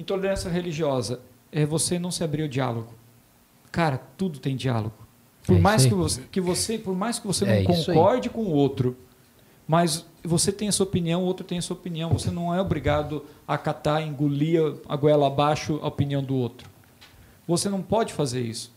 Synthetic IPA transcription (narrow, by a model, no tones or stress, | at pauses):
ẽt̪oɾd̪eɾɐ̃sɐɦeliʒiɔzɐ | ɛvosenɐ̃w̃sɪabɾiɾʊd͡ʒia̰loɡʊ | kaɾɐt̪ud̪ʊt̪ẽj̃d͡ʒia̰lo̰ɡʊ | ppoɾmajsskɪvoskɪvosepoɾmajskɪvosenɐ̃w̃kõkɔɾd͡ʒɪkõʊowt̪ɾʊ | mɐz | voset̪ẽj̃ɛsuɐopiniɐ̃w̃owt̪ɾʊt̪ẽj̃ɐsuɐopiniɐ̃w̃vosenɐ̃w̃ɛobɾiɡad̪ʊakat̪aẽɡuliɐɐ̰ɡwɛlɐːbaʃʊʔɐ̰opiniɐ̃w̃d̪ʊowt̪ɾʊ̥ | vosenɐ̃w̃pɔd͡ʒɪfazeɾḭsʊ̥